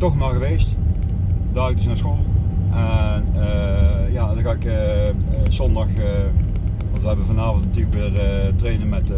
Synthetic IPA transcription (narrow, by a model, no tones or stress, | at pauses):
tɔxnalˠɣəʋejst | daːɪk̚dəsnaːɹsxolˠʔɛnəjaːdɑnxaːɪkə | zɔndɑx | ʋɑtʋəɦɛbəvɑnaːvɔntnatyələkʋɪːrətrejnənmɛt